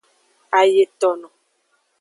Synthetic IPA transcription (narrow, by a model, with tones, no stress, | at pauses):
a˨je˨tɔ˨nɔ˨